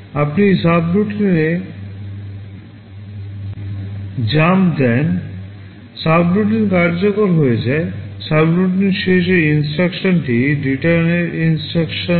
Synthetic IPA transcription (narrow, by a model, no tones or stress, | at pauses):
apnisabɾuʈine | d͡ʑamd̪ɛn | sabɾuʈ̬iɾkaɾd͡ʑokoɾɦoed͡ʑaesabɾuʈineɾʃeʃ̬eɾinsʈɾakʃonʈiɖiʈaɾneɾinsʈɾakʃo